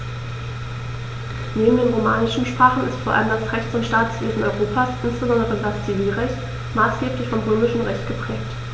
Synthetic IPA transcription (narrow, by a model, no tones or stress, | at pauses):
neːbm̩deːnʁoma̰ːnɪʃn̩ʃpʁ̥aːχn̩ɪstfoːɐʔa̰ləmdasʁɛçtt͡sʊntʃtaːtsv̥eːzn̩ʔɔ̰ʏʁoːpʰaːsʔɪnsb̥əzɔndəʁədast͡siviːlʁɛçt | maːsɡ̥eːplɪçfɔmʁøːmɪʃn̩ʁɛçtɡ̥əpʁ̥ɛːk̚t